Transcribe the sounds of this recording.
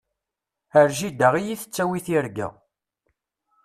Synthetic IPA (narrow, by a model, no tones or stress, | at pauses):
əɾʒid̪əʁijiθə̥t͡sːæwiθiɾɡæ̰